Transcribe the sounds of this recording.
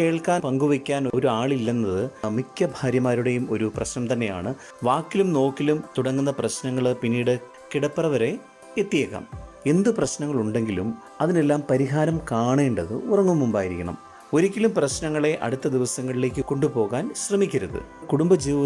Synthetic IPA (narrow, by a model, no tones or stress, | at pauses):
ke̞ːɭkaːnpɐŋɡuʋikʲːaːnoɾuaːɭilːɐnːɐðɨmikʲːɐbʱaːɾjɐmaːɾuɽe̞jumo̞ɾuprɐɕnɐmt̪ɐnːe̞ja̰ːɳɨ | ʋaːkːilumno̞ːkːilumt̪uɽɐŋːunːɐprɐɕnɐŋːɐɭpinːiːɽɨ | kiɽɐpːɨrɐʋɐɾe̞ | et̪ːijɐkːa̰ːme̞nd̪ɨprɐɕnɐŋːɐɭuɳɖe̞ŋɡilum | ɐðine̞lːaːmpɐɾiɦaːɾɐmkaːɳeːɳɖɐðɨ̰urɐŋːumːumbaːjiɾikʲːɐɳɐ̰m | o̞ɾikʲːilumprɐɕnɐŋːɐɭe̞ʔɐ̰ɽut̪ːɐd̪iʋɐsɐŋːɐɭile̞ːk̬ʲːɨko̞ɳɖupo̞ːɣaːnɕrɐmikʲːɐɾɐðɨ̰kuɽumbɐd͡ʑiːʋɐ